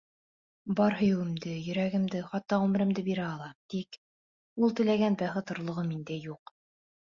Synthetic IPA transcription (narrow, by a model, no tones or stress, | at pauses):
bɑɾɦɵ̆jɘ̆wɘ̆md̪ɘjɵ̆ɾæɡɘ̆md̪ɘχɑt̪ːɑʁʉmɘ̆ɾɘ̆md̪ɘbiɾæɑlˠɑt̪ik | ulˠt̪ɘ̆læɡænbæχɘt̪ŏɾlˠŏʁɤmind̪æjuq